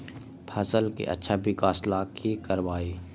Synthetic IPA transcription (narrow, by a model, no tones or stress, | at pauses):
pʰɐsəlkḛʔɐ̰tːʃʰabɪkaːslakʰikəɾʋaːiː